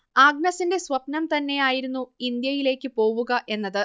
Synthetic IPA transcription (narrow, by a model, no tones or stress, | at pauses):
aːɡ̚nɐsinde̞sʋɐpnɐmt̪ɐnːe̞jaːjiɾunːuind̪jɐjile̞ːkʲːɨpo̞ːʋuɣɐʔe̞nːɐðɨ